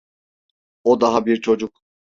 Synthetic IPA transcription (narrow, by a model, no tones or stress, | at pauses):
od̪aɦabiɾt͡ʃʰo̞d͡ʒuk̚